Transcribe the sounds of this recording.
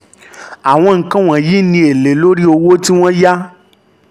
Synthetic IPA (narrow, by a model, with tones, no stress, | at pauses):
a˨w̃ɔ̃˧ŋ̩˨kã˦w̃ɔ̃˨ji˦nĩ˧e˨le˨lo˦ɾi˦o˧wo˦ti˦w̃ɔ̃˦ja˦